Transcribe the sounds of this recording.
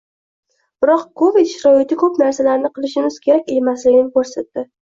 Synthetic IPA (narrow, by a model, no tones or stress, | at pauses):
b̥ɪɾɒqkʰovit̪ʃɾɒɪt̪ʰɪkʰɵpnaɾsalaɾnɪqʰɨlˠɪʃɪmɪz̥kʲʰe̞ɾakʲe̞maslɪɡʲɪnɪkɵɾsat̪ːɪ